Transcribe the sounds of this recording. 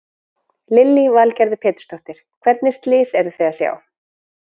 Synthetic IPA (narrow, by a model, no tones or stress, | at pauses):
lɪlːivalcɛɾðʏpʰɛːt̪ʏ̥st̪ʰɔht̪ɪɾ̥kʰvɛɾt̪̚nɪst̪lɪːsɛɾðʏθɛːðasja̰ːw